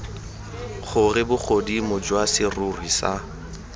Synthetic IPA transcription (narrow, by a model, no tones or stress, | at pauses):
χʊrɪbʊk͡xʰodimʊd͡ʒwasɪrʊrwisa